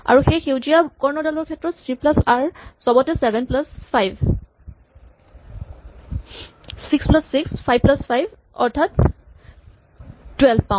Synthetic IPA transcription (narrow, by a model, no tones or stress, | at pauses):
a̰ɹuxejxewzijakɔɹnɔdalɔɹkʰɛtɹɔtsɹiplasaɹsɔbɔtɛsɛbɛnplaspʰajbʱ | siksplasːikspʰajb̚plaspʰajb | ɔɹtʰat | twɛlbpãʊ̃